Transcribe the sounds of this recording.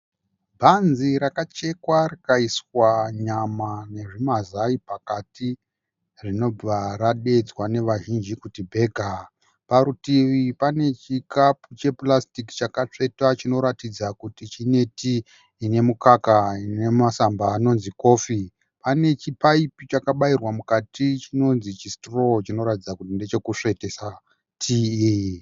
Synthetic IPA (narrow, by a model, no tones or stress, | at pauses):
bʱanziɾakat͡ʃe̞kwarikaiswaɲamane̞ʐimazaipakati | rino̞aɾaɗe̞d͡zwane̞ʋaʒind͡ʒikutibʱe̞ːɡʱa | paɾutiʋipane̞t͡ʃikaput͡ʃe̞plastiki̥t͡ʃakat͡ʂe̞tat͡ʃino̞ɾatid͡zakutit͡ʃine̞tiː | ne̞mukakainemasambaːno̞nziko̞fi | pane̞t͡ʃipaipit͡ʃakaɓairwamukatʰit͡ʃino̞nzit͡ʃistro̞t͡ʃino̞ɾatid͡zakutindet͡ʃe̞kuʂe̞te̞sa | tʰiːji